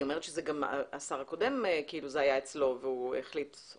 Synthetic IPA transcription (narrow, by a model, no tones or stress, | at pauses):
omeetʃezeɡam̰asaʁhako̞de̞mkiiluzeajaet͡slo̞veuḛχlit̪